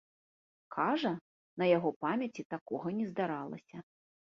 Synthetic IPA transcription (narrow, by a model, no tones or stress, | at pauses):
kʰaʐɐ | nɐjaɣɔpamʲɐt͡sʲit̪akɔɣɐnʲɛzd̪aɾalˠɐ̰sʲɐ